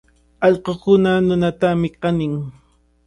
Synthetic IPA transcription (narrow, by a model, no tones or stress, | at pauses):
ɑʎqokʊnanʊnat̪amɪqɑnɪŋ